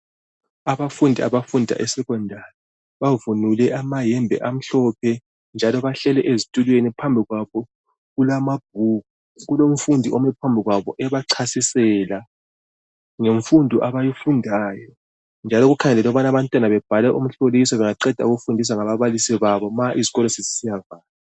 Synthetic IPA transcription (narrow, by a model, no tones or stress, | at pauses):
aβafundʱia̰βafundʱa̰ʔɛsɛɣɔndʱanɛ | βavunulɛʔamajɛmbʱɛ̰ʔam̩ɬɔpʰɛ | nd͡ʒʱalɔβaɬɛlɛʔezitʼulwenipʰambʱiɣwaβɔ | ɣulamab̥̚ʱuɣu | ɣulom̩fundʱiʔomɛpʰambʱiɣwaβɔ̰ʔɛβaǀʰasisɛla | ŋeɱfundʱuʔaβajifundʱaːjɔ | nd͡ʒʱalɔɣukʰaŋɛlɛlɔβanaβantʼwanaβɛb̥ʱalɛʔum̩ɬolisɔβɛŋaǃɛd̥ʱa̰uɣufundʱis̬aŋaβaβalisiβaβɔmaʔiziɣɔlɔsizisijavaːla